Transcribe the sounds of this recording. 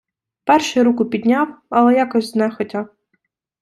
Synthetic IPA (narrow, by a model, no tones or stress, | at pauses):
pɛrʃɪjɾukʊpʲid̪ʲnʲawɐlˠɛjakɔzʲznɛxɔtʲaw